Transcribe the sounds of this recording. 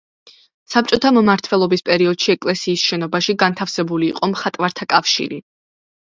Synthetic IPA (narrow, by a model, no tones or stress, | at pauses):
sap̚t͡ʃʼɔt̪ʰammaɾt̪ʰvɛlˠɔbispʼɛɾiɔd̪̥ʃiɛkʼlɛsiːsʃɛnɔbaʃiɡant̪ʰafsɛbulḭːqʼɔmχat̪ʼvaɾt̪ʰakʼafʃḭɾḭ